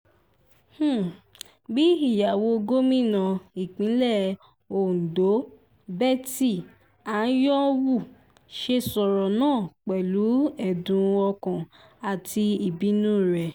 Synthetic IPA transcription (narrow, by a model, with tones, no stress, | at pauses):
h̩˦˨ | bi˦i˦˨ja˨wo˧ɡo˦mĩ˦˨nã˧i˨k͡pĩ˨˦lɛ˦˨ | o˨n̩˨do˨˦ | bɛ˦˨ti˦˨ | a˨˦jɔ˦wu˦˨ | ʃe˧sɔ˨ɾɔ˨nãː˦˨k͡pɛ˨lu˨˦ɛ˦˨dũ˨˧ɔ˧kã˨ | a˨ti˧i˨bi˨˦nũː˦˨ɾɛ˨